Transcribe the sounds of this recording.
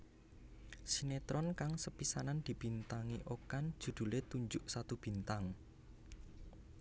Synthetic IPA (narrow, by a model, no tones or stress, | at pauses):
sinet̪ɾɔnkaŋsəpisanand̪̥i̤b̥i̤nt̪aŋiʔokand̥ʒ̥ṳd̪̥ṳlet̪uɲd͡ʒʊʔsat̪ub̥i̤nt̪aŋ